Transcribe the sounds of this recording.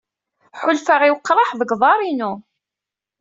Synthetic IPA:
ħʊlfaʁiwəqːɾˤɑħðəɡðˤɑɾˤinu

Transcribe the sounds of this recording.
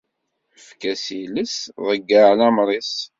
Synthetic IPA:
əfkæsiləsðˤəɡːaʕlæmɾˤis

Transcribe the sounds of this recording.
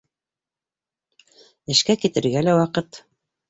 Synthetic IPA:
ɘ̆ʃkækit̪ɘ̆ɾɡælæwɑqɤt̪

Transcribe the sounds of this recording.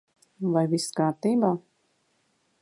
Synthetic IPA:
vajviskaːɾt̪iːbaː

